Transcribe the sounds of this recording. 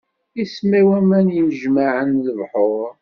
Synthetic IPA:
ismæwæmænjəmʒmaʕənləvħoɾˤ

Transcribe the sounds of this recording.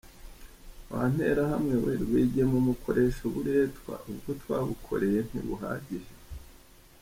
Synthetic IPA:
βa̰n̥he̞̰ːɾahamŋe̞βeɾβwiɟemumukʰo̞ɾʔe̞ʃoβuɾe̞ːtwa̰ubɡotwaːβukʰo̞̰ɾe̞je̞n̥ḭβṵɦa̰ːɟiʒe

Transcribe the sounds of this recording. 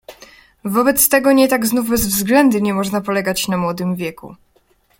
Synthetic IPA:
vɔbɛt̪st̪ɛɡɔɲɛt̪aɡznuvbɛzvzɡlɛnd̪uɲɛmɔʐnapɔlɛɡat͡ɕnamwɔd̪ɘmvʲjɛkṵ

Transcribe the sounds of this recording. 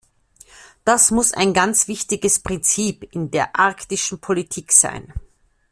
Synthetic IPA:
d̥asmʊsa̰ɪnɡant͡sv̥ɪçtɪɡəspʁ̥ɪnt͡siːpɪndeːɐʔaɐktɪʃn̩pʰolitʰiːkz̥a̰ɪn

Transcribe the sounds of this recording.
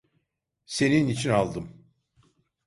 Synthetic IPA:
se̞ninit͡ʃʰinalˠd̪ɯm

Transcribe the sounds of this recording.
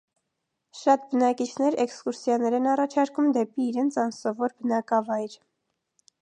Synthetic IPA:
ʃɑt̪̚bənɑkit͡ʃʰnɛɾɛkskuɾsjɑnɛɾɛnɑrɑt͡ʃʰɑɾkumd̪ɛpiːɾɛnt͡sʰɑnsɔvɔɾbənɑkɑvɑjɾ

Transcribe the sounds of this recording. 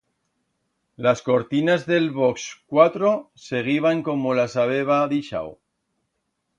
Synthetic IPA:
lasko̞ɾt̪inazðe̞lβo̞kskwat̪ɾo̞ | se̞ɣ̞iβ̞aŋko̞mo̞lasaβe̞β̞aðiʃa̰w

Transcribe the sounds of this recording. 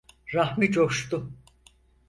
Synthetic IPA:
ɾahmid͡ʒoʃt̪ʊ

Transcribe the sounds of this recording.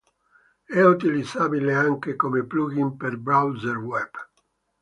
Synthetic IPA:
ɛut̪ilid̪zaːbileaŋkekomepluːɡimperbɾawzerwɛb̥

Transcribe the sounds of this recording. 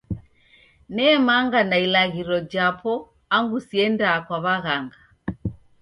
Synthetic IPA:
nɛːmaŋɡanailaɣiɾɔd͡ʒapɔ | aŋɡusiɛndaːkwaβaɣaŋɡa

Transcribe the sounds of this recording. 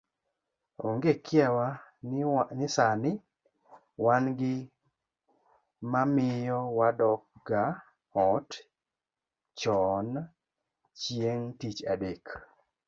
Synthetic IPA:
oŋɡekɪawa | nɪsanɪ | wanɡɪ | mamɪjɔwadɔk̚ɡa | ɔt | t͡ʃɔn | t͡ʃjeŋtit͡ʃadek

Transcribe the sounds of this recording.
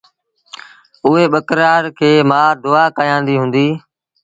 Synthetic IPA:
ʊɦeːɓəkɾaːɾkʰeːmaːd̪ʊːaːkaːjãːnd̪iːɦʊ̃ːnd̪iː

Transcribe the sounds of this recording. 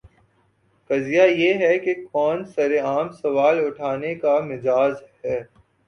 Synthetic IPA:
kɐzijajeɦɛkekɔːnsɐɾeaːmsɐʋaːlʊʈʰaːnekamɪd͡ʒaːzɦhɛː

